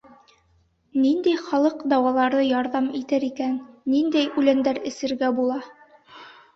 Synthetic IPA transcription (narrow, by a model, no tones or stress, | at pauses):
nind̪æjχɑlˠɤqd̪ɑwɑlˠɑɾðɤjɑɾðɑmit̪æɾikænːind̪æjʉlænd̪æɾɘ̆sɘ̆ɾɡæbulˠɑ